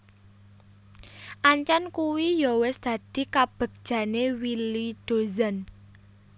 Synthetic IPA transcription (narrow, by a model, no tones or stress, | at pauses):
ʔaɲt͡ʃankuwijɔwɪsd̪̥ä̤d̪̥i̤kab̥ə̤k̚d̥ʒ̥ä̤newilid̪̥o̤zan